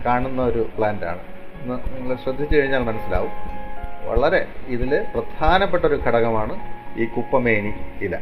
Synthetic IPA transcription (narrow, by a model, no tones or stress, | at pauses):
kaːɳunːɐo̞ɾupɭaːnda̰ːɳɨnːɨniŋːɐɭɕrɐd̪ʱːit͡ɕːɨkɐɻiɲːaːɭmɐnɐsːila̰ːʋumʋɐ̰ɭɐɾe̞iðilprɐd̪̥ʱaːnɐpːe̞ʈːoɾukʰɐɽɐɣɐmaːɳɨiːkupːɐme̞ːɳiilːɐ̰